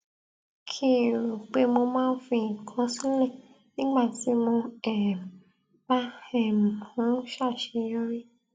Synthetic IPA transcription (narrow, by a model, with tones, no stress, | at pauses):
kʰi˦˨ɾo˨k͡pe˨˦mo˧mãː˦˧n̩˦fĩ˧˨kʰã˧˦sĩ˦lɛ˦˨ | nĩ˦ɡ͡ba˦˨ti˨˦mõ˧ɛ˦˨ | ba˦ɛ˦˨mĩ˨hã˨˦ʃa˦˨ʃe˨˧˦jɔ˦ɾi˦